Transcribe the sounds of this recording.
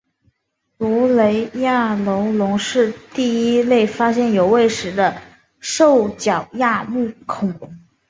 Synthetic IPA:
lu˧˥le˧˥ɪja˥˩lo˧˥ʊlʊ˧˥ŋʂɻ̩˥˧t̪i˥˩i˥le˥˩ɪfa˥ɕjɛ˥˩njo˨˩ʊwe˥˩ɪʂɻ̩˧˥d̪ə˧ | ʂo˥˩ʊt͡ɕjɑ˨˩ʊja˥˧mu˥˩kʰʊ˨˩ŋ

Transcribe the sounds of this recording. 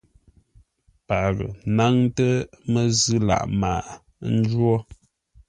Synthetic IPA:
pa˨ɾə̰˨na˦ŋtə˦mə˦zɨ˦la̰˨ʔma̰ː˨ʔ | n̩˦d͡ʒwɔ˦

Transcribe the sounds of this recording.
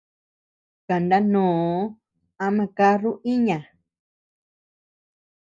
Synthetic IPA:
ka˨nd̪a˦nõː˨˦ | a˧mã˧ka˦ru˦ʔi˦ɲã˨

